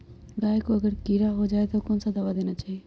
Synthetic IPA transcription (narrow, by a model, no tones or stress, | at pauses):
ɡaːekoɐɡəɾkiːɾaɦod͡ʒaːet̪okɔːnsad̪aʋad̪eːñat͡ʃaːɦieː